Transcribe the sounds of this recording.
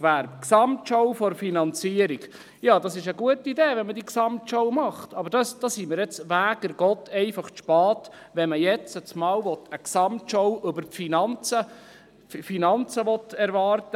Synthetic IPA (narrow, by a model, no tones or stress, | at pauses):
væɾpksɑmtʃɔwfɔɾfinɑnt͡siəɾiɡ | jɑːd̥ɑsɪʃəɡuətideːʋɛnmədiksɑmtʃɔwmɑχtɑbəɾd̥ɑsd̥ɑsimɪɾjɛt͡sʋæːɡəɾɡ̥ɔtʰɛɪfɑχʃpɑːt | ʋɛnməjɛt͡sət͡smɑːwʋɔtəksɑmtʃɔwʔɵbəɾfinɑnt͡sə | finɑnt͡səʋɔt̪ɛɾʋɑːɾtə